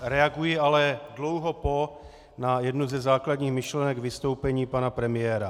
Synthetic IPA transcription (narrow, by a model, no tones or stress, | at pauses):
ɾɛaɡujɪalɛdlo̞wɦo̞po̞ | najɛdnuzɛzaːkladɲiːxmɪʃlɛnɛɡvɪst̪o̞wpɛɲiːpanapɾɛmɪjɛːɾa